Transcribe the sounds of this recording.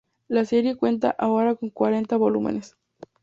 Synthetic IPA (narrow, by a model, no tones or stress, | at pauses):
laseɾjekwe̞nt̪a̰ʔaoɾakoŋkwaɾe̞nt̪aβolumḛnes